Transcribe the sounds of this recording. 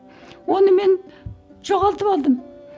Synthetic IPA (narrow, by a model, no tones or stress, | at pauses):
wonəme̞nd͡ʒoʁɑlˠt̪əpɑlˠd̪əm